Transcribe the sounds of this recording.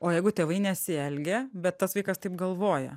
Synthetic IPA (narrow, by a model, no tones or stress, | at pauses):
oːjɛɪɡʊt̪ʲeːʋɐɪnʲɛsʲɪɛlʲɡʲɛbʲɛt̪ːɐsʋɐɪkɐst̪ɐɪpɡɐlˠʋoːjɛ̰